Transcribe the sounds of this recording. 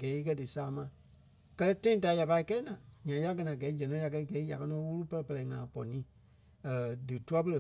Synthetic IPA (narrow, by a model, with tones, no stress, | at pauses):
ɡɛː˨˦i˦˧kɜ˦dɨ˨saː˨˦mã˨ | kɜ˦lɛ˦tã˦ĩ˦ta˨˦ja˨pa˧i˦˧kɛː˦nã˨ɲã˨˦ja˦ɡɜ˧nã˨ɡɛː˨˦d͡ʒɛ̃˨nɔ̃˨˦ja˧kɜ˧i˦ɡɛː˨˦i˦ja̰˨kɜ˦nɔ̃˧˦wu˦lu˦pɜ˦lɛ˨pə˧lɛ˨i˨ŋã˨pɔ˨nĩː˨˦ | ə˨dɨ˨tu˦a˦pə˦˧lə˨